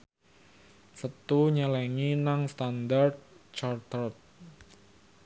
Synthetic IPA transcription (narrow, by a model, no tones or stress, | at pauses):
sət̪uɲəlɛŋinaŋst̪and̪ard̪̚t͡ʃart̪ərt̪̚